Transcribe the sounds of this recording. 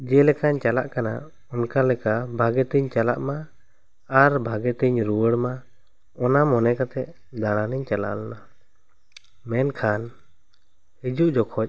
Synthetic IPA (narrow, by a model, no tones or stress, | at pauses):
d͡ʒɛlɛkaɲt͡ʃala̰ʔkana̰ | ɔnkalɛkabʱaɡɛt̪iɲt͡ʃala̰ʔma | aɾbʱaɡɛt̪əɲɾuwəɽma | ɔnamɔnɛkat̪ɛ | d̪aɽ̃aniɲt͡ʃala̰ʔlna | mɛnkʰan | hid͡ʒuʔd͡ʒɔkʰɔc̚